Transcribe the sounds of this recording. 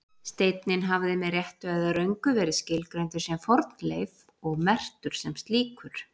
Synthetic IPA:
st̪eːjt̪nɪnɦavðɪmɛðrjɛht̪ʏaðaɾœɥŋkʏvɛːɾɪscɪlkɾɛjnt̪ʏɾ̥sɛmfɔɾt̪nlejv | ɔɣmɛr̥t̪ʏɾ̥sɛmst̪liːkʏɾ̥

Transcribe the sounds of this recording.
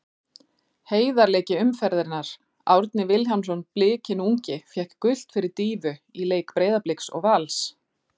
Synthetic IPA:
heːjðaɾleːcɪʏmfɛɾðɪɾnaɾ̥ | awɾt̪nɪvɪlɦansɔnplɪːcɪnuɲcɪfjɛhkːʏl̥t̪fɪɾɪɾt̪iːvʏileːjkpɾeːjðaplɪjksɔ̰ɣvals

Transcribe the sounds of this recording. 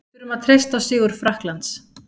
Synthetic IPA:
ɾʏmaðt̪ʰɾejst̪asɪːɣʏɾ̥fɾahklant̪s

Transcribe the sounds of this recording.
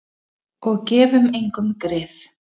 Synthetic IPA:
ɔɣcɛːvʏmejŋkʏmkɾɪːθ

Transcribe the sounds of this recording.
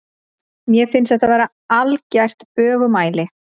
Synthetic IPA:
mjɛfɪnsθɛht̪avɛːɾa | alcajr̥t̪pœːɣʏmaːjlɪ

